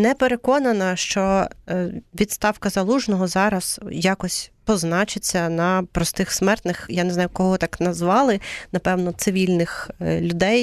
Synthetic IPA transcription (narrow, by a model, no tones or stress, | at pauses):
nɛpeɾekɔnɐnɐʃt͡ʃɔ | ʋʲid̪st̪ɑwkɐzɐlˠuʒnɔɦɔzɑɾɐz̥jɑkɔsʲpɔznɑt͡ʃɪt͡sʲːɐnɐpɾɔst̪ɪxsmɛrt̪nɪxjaneznɑjʊkɔɦɔt̪ɑknɐzʋɑlˠɪnɐpɛwnɔt̪sɪʋʲilʲnɪxlʲʊd̪ɛj